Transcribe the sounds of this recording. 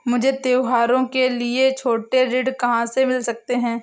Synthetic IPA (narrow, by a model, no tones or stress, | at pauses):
mʊd͡ʒʱet̪eːwɦaːɾõkeliet͡ʃʰoːʈeɾɪɖkɐɦãsemɪlsɐk̚t̪eɦɛ̃ː